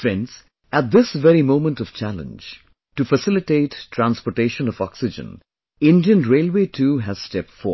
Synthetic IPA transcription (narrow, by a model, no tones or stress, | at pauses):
fɾɛ̃nɖz̥ | æt̚d̪ɪsʋɛɾimõʊ̃mə̃ntɔv̥t͡ʃælə̰̃nd͡ʒ | ʈufəsɪlɪʈeɪtʰːɾæ̃nspɔʈeːʃə̃nɔvɔksɪd͡ʒə̰̃n | ɪ̃ndiə̃nɾeːlweːtʰuɦæz̥stɛp̚tfɔ